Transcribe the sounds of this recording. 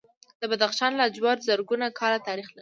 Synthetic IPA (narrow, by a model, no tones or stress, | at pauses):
d̪̥əbad̪axʃɑnlad͡ʒwɑɾzəɾɡunakʰɑɾat̪ɑɾixlai